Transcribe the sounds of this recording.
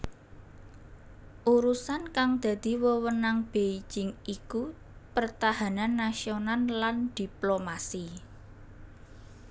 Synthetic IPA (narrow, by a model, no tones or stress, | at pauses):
ʔuɾusankaŋd̪̥ä̤d̪̥i̤wəwənaŋb̥ei̥d͡ʒɪŋiku | pərt̪aɦa̤nanːasionanland̪̥i̤plomasi